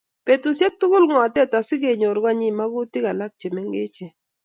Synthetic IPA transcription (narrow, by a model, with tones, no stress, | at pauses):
pe˨tu˨sjɛ˦k̚tʊ˦kʊ˦lŋɔ˨a˨tɛ˦ta˨sɪ˦ke˨ɲo˨ɾɡa˦ɲɪ˦˨ma˦kʊ˦tɪ˦ka˨la˦k̚t͡ʃe˨mɛ˦ŋɡe˦t͡ʃe˨